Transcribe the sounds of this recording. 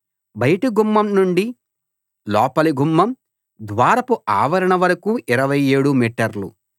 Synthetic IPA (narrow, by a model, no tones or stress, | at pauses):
bɐjɐʈiɡumːɐmnuɳɖi | lɔːpɐliɡʱumːɐm | d̪ʋaːɾɐpuʔaːʋɐɾɐɳɐʋɐɾɐkuːʔiɾɐʋɐjeːɽumiːʈɐɾlṵ